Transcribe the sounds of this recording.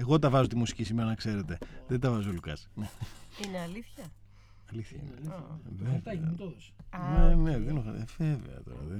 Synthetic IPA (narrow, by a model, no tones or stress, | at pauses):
eɣo̞t̪ɐvɐzot̪imusi̥cisimeɾɐnɐkse̞ɾe̞t̪e̞ðet̪ɐvɐzolukɐsneineɐliθçɐ | ɐliθçɐḭneliveɐt̪osneneðenoxɐv̥evḛɐ̰t̪o̰ɾɐ̰ðe